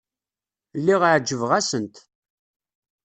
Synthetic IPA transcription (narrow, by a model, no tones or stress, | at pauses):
lːiʁaʕd͡ʒːəvʁæsənt̪